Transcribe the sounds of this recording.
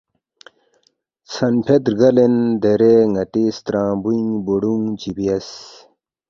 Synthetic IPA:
sʰɐnpʰet̪ɾɡɐlend̪eɾeŋɐʈist̪ɾãːbuĩŋboɽuŋd͡ʑibijɐs

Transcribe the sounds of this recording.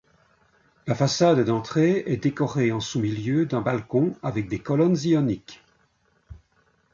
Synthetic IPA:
lafasad̪d̪ɑ̃t̪χeɛd̪ekɔʁeɑ̃sumiljød̪ɛ̃balkɔ̃avɛk̚d̪ekɔlɔnziɔnik

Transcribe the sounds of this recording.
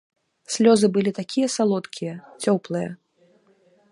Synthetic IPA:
sʲlʲɔzɨbɨlʲit̪akʲijɐsalˠɔt̪kʲʰijɐt͡sʲɔplˠɨjɐ̰

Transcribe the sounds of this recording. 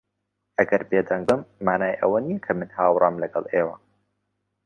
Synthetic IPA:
ʔɐɡɐɾbeːd̪ɐŋbɨmːaːnaːjʔɐ̰wɐnijɐkʰɐmɨnhaːwɾˤɑmlɐɡɐlˠʔeːwɐ

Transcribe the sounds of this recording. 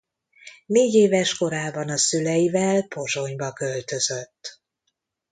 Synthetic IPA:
neːɟeːvɛʃko̞ɾaːbɒnɒsylɛjivɛlpo̞ʒo̞ɲbɒkø̞lt̪ø̞zøt̪ː

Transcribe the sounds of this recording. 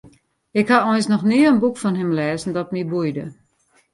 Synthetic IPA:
ɪkhaɔjnsnɔxniəənbukfɔnɦɪmlɛːzn̩dɔt̚mibujdə̰

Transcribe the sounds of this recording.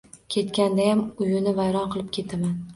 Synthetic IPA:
kʲʰe̞t̪kʲand̪ajamʊjʊnɪvajɾɒnqʰɨlˠɪp̚kʲʰe̞t̪ʰaman

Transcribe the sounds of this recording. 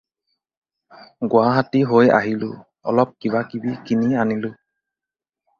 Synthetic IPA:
ɡʊwaɦatiɦoja̰ɦilʊ̰ | ɔ̰lɔp̚kibakibikinianilʊ

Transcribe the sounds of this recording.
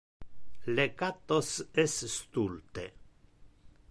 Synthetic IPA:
lekat̪osesst̪ult̪ḛ

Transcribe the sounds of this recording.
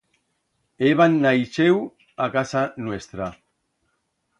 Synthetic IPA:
eβanːajʃew | akasanwest̪ɾa

